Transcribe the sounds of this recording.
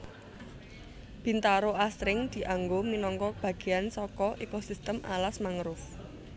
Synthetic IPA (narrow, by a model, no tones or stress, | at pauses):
b̥i̤nt̪aɾoʔasɾɪŋd̪̥i̤ʔaŋɡominɔŋkɔb̥ä̤ɡ̥e̤jansɔkɔʔekosist̪əmʔa̰lasmaŋɾʊf